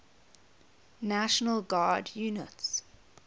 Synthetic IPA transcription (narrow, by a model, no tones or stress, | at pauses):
naʃənəlɡaːdjuːnəts